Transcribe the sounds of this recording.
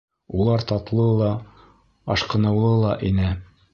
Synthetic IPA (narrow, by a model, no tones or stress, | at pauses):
ulˠɑɾt̪ɑt̪lˠɤlˠɑ | ɑʃqɤ̆nɤ̆wlˠɤlˠɑʔinɘ